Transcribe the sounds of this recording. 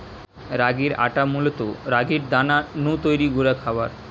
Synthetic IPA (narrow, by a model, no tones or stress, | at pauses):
ɾaɡiɾa̰ʈamulot̪oɾaɡiɾd̪ananut̪ojɾiɡuɾakʰabaɾ